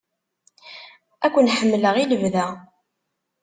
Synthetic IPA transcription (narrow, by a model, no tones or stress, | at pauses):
ækʷːənħəmːləʁiləvðæ